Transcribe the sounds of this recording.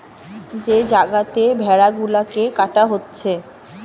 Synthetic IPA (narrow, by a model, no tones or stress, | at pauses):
d͡ʑed͡ʑaɡat̪ebʱɛɽaɡulakekaʈaɦotːɕʰe